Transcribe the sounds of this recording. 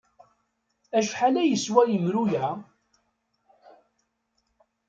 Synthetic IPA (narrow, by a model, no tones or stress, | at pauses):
æʃħalæjəswæjəmɾujæ